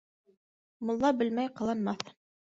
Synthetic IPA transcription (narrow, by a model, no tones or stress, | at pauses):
mŏlˠːɑbɘlmæjqɑ̆lˠɑnmɑθ